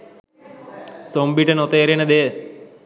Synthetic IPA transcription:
sombiʈɐnot̪eɾened̪e

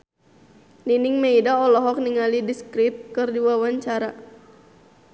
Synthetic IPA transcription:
ninɪŋmeidaɔlɔɦɔk̚niŋalidiskɾit̪̚kɨrdiwawaɲt͡ʃaɾa

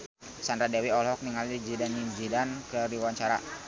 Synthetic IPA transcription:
sanɾadɛwiɔlɦɔk̚niŋalid͡ʒidanimd͡ʒidankəɾiwaɲt͡ʃaɾa̰

